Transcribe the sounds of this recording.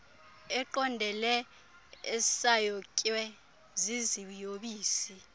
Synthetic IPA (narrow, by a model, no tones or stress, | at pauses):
ɛǃɔndʱɛlɛ | ɛsajɔkʼwɛ | zizijoɓiːsi